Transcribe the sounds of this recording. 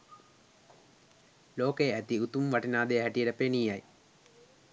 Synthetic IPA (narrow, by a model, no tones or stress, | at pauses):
loːkejæt̪iut̪umʋɐʈinaːd̪ejɦɛʈijeʈɐpeːnijaj